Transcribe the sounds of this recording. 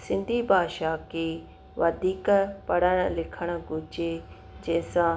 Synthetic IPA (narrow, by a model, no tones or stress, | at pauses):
sɪ̃nd̪ʱibʱaːʃaːkeː | ʋɐd̪ʱiːkpɐɽəɽ̃lɪkʰəɽ̃əɡʊd͡ʒe | d͡ʑɐ̃ɦɪ̃sã